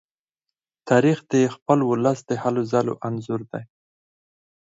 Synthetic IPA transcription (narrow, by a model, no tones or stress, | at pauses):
t̪ʰɑɾixd̪əxpəlwʊləsd̪əhalozalo̰ʔanzuɾd̪aj